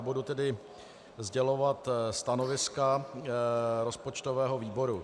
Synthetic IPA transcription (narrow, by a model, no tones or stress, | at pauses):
budut̪ɛdɪ | zɟɛlo̞vat̪st̪ano̞vɪska | ɾo̞spo̞t͡ʃt̪ovɛːɦo̞viːbo̞ɾu